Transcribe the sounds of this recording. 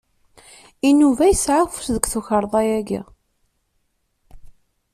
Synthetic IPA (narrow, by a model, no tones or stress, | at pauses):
inuvæjsʕafu̥sðəɡʷθuçəɾˤðˤɑjæɡæ̰